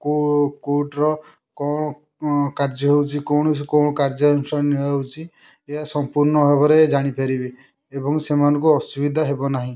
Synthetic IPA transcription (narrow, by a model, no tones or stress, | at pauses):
kokoʈɾɔ | kɔ | kaɾd͡ʒɔɦewt͡ʃʰikɔɳɔskɔñɔkaɾd͡ʒɔnusaɾniewt͡ʃʰi | eɦasɔmpuɾnɔɦɔβɔɾed͡ʒaɽ̃ipʰeɾibi | ebɔŋsemanɔ̃kuɔsubid̪ʱaɦebɔnaɦĩ